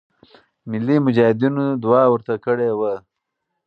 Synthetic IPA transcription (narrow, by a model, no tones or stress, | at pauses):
mɪlːimʊd͡ʒɑhɪd̪inod̪uwɑwəɾt̪akəɽewə